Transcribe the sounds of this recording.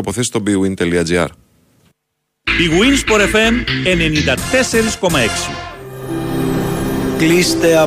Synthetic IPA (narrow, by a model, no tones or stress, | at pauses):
opoθesist̪obiɣwint̪eliɐd͡ʒiɐ̰ɾ | biɣwinspoɾefemeneniðat̪eseɾisko̞maeksḭ | klist̪ea